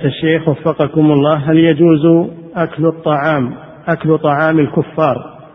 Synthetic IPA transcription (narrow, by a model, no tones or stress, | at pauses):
t̪aʃːeːxwafːɑqɑkʊmɑlˤːɑːɦaljad͡ʒuːz | ʔaklt̪ˤːɑʕɑːm | ʔaklt̪ˤɑʕɑːmɪlkʊfːɑːɾˤ